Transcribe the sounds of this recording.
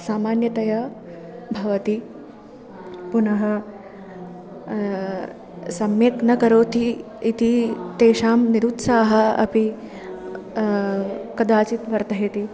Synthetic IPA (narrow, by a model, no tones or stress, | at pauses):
saːmaːnjɐt̪ɐjɐ | bʱɐʋɐt̪i | punɐɦɐ | sɐmjeːknɐkɐɾoːt̪iː | t̪it̪eːʃaːmniɾut̪saːɦɐ̆ɐ̰pi | kɐd̪aːt͡ʃit̪ʋɐɾt̪ɐɦit̪i